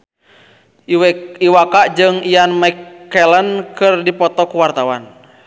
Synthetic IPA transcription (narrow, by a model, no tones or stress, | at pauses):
ʔiwɛiwakaʔd͡ʒɨŋijanmajkːɛlənkɨrdipɔt̪ɔkuwart̪awan